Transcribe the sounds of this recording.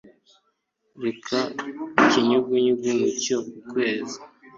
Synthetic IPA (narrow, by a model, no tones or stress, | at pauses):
ɾekʰaciɲuɡiɲuɡumucokukwe̞ːzi